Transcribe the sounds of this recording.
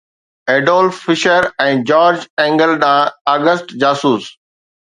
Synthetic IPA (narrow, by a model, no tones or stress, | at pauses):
eːɖoːlfɪʃəɾɛ̃ːd͡ʑɔːɾd͡ʑɛ̃ːŋɡəlɗãːaːɡəsʈd͡ʑaːsuːs